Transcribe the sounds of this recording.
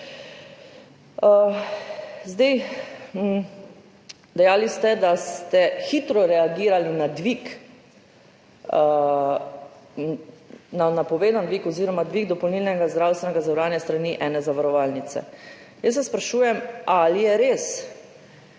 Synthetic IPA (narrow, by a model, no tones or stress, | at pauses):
ə | zd̪ej̩ | d̪ɛjaːlist̪ɛd̪ast̪ɛxit̪ɾɔɾɛaɡiːɾalinad̪ʋik | nanapɔʋeːd̪and̪ʋiːkɔziːɾɔmad̪ʋiɡd̪ɔpɔwniːlnɛɡazd̪ɾawst̪ʋɛnɛɡazawɾaːnjɛst̪ɾaniʔɛːnɛzaʋaɾɔʋalnit̪sɛ̰ | jəs̬ːɛspɾaʃuːjɛmalijɛɾeːs